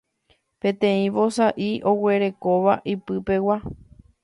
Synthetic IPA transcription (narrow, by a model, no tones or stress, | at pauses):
pẽ̞t̪ẽ̞ĩʋo̞saʔiʔo̞we̞ɾe̞ko̞ʋaʔipɨpe̞wa